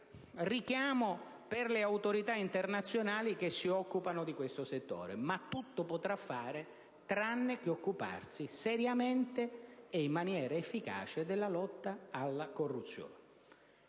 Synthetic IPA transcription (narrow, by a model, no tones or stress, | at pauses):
rikjaːmo | pɪrlɪawt̪oɾit̪aint̪ernat̪sːjonaːlik̟esːiɔkːupanʊd̪ikwest̪ʊset̪ːo̰ːɾḛmat̪ːut̪ːʊpot̪ɾafːaːɾe | t̪ɾanːɪk̟eokːupa̰rsisɛɾjament̪eeimːanjɛːɾaefːika̰ːt͡ʃed̪ɪlːalɔt̪ːaalːakorːut̪sːjo̰ːn